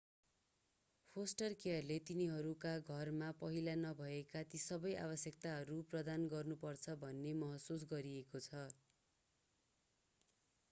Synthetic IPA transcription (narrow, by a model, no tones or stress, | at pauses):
pʰosʈʌrkeʌrlet̪iniɦʌɾukaɡʱʌrmapʌɦilanʌbʱʌekat̪isʌbʌjʔa̰βʌsjʌk̚t̪aɦʌɾuprʌd̪anɡʌrnupʌrt͡sʰʌbʱʌnːemʌɦʌsus̬ɡʌɾiekot͡sʰʌ